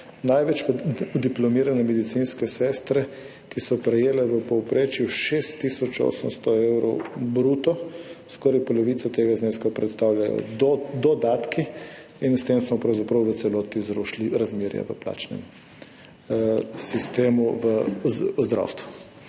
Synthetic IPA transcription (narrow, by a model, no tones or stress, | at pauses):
najʋɛt͡ʃd̪iplɔmiːɾanɛmɛd̪it̪sinskɛsɛːst̪ɾɛ | kisɔpɾɛjeːlɛʋəpɔwpɾeːt͡ʃjuʃest̪ːisɔt͡ʃo̰səmst̪ɔewɾɔwbɾuːt̪ɔskɔɾajpɔlɔʋiːt̪sat̪eːɡazneːskapɾɛ̰t̪st̪awlʲjajɔ̰d̪ɔd̪aːt̪ki | inst̪emsmɔpɾawzapɾɐwʋət̪sɛlɔːt̪izɾɔʃliɾazmeɾja̰ʋə̰pla̰t͡ʃnɛ̰m | sist̪eːmuʋəzd̪ɾa̰wst̪ʋu